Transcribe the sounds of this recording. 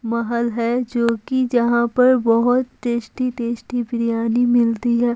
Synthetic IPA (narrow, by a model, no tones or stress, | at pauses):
mɐɦəlɦɛd͡ʒoːkid͡ʒɐɦãpɐɾbɐɦʊt̪ʈeːʃʈit̪eːʃʈipɾjaːnimɪlt̪iɦɛː